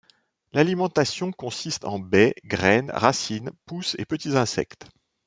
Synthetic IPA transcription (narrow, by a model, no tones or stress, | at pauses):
lalimɑ̃t̪asjɔ̃kɔ̃sist̪ɑ̰̃bɛɡʁɛnʁasinpusḛpət̪izɛ̃sɛ̰kt̪